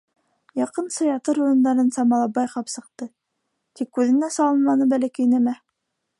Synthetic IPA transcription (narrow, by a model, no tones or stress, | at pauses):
jɑqɤnsɤ̆jɑt̪ɤɾuɾɤ̆nd̪ɑɾɤnsɑmɑlˠɑbɑjqɑpsɤ̆q̚t̪ɤ | t̪ikːʉðɘ̆næsɑlˠɤnmɑnɤbælækæjnæmæ